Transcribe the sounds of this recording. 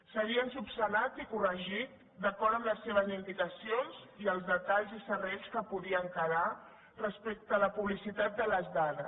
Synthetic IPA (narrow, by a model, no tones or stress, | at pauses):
səɣiənsupsənat̪ikurəʒit̪̚ | d̪əkɔɾəmləsːeβ̞əzind̪ikəsionziəlˠzðət̪aʎzisəreʎskəpuðiəŋkəɾa | rəspek̚t̪əːləpuβlisit̪at̪̚d̪ələzðaðəs